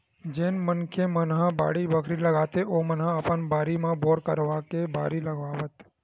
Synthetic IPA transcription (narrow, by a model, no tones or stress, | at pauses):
d͡ʒenmənkʰemənɦãba̰ɽibəkʰɾiləɡat̪eʔomənɦãəpənbaɾimãboɾkəɾʋakebʱa̰ːɾiləɡʋaʋət̪